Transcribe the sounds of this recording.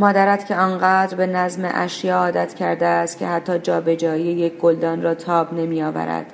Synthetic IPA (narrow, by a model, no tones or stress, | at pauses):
mɒːd̪æɾæt̪cʰeɒːnɢæːd̪ɾbe̞næzmḛʔæʃjeːɒːd̪æt̪cʰæɾd̪eæst̪̚cʲʰe̞̰hæt̪ʰːɒːd͡ʒɒːbe̞d͡ʒɒːiejecʰɡold̪ɒːnrɒːt̪ʰɒːbne̞miɒːvæ̰ɾæ̰d̪̥